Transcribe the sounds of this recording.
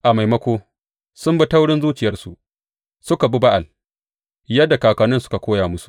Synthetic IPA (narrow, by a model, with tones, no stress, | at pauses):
ʔa˨ma˨jmɐ˦kʷoː˦ | sʊ˦mbɐ˦ta˦wɽɪ˦nzuː˦t͡ʃɪ˨jɐ˦rsṵ˨ʔ | sʊ˦ka˨bu˦ba˦ʔa˨l | jɐ˦dːa˨kaː˨kaː˨nɪ˦nsʊ̥˦ka˨kʷoː˦jaː˨mʊ˦su̥˨ʔ